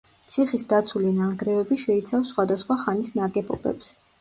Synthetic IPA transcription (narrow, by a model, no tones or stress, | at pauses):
t̪sʰiχisd̪at̪sʰulinaɡɾɛvɛbiʃɛit̪sʰafsːχwad̪asχwaχanisnaɡɛbʼɔbɛ̰ps